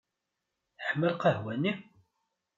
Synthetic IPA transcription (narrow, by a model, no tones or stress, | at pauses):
θəħməlqəhwæni